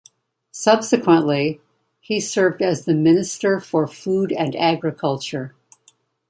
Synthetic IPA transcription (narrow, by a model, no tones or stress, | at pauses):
sʌb̥sɨkʰwə̃nʔli | isɜ˞vdɨzðɨmɪ̃nɨstə˞fə˞fuɾɨ̃næɡɹɨkʰʌlˠt͡ʃə˞